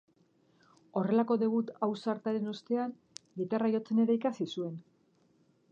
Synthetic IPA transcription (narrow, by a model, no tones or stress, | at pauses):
o̞re̞lako̞ðe̞β̞ut̪awsaɾt̪aɾe̞nust̪e̞an | ɡit̪arajo̞t͡se̞ne̞ɾaikasisue̞n